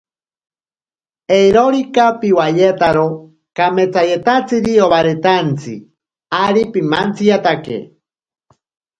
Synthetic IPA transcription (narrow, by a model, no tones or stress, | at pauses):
ejɾoɾikapiwajet̪aɾo | kamet͡sajet̪at͡siɾioβaɾet̪ant͡sḭ | aɾipimant͡sijat̪akḛ